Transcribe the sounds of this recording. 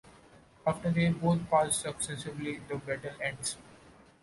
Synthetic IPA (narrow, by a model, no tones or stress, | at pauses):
aːfʈəɾd̪eːboːt̪̚ʰpaːssʌksɛsɪʋlid̪əbɛʈəlɛ̃ɳɖs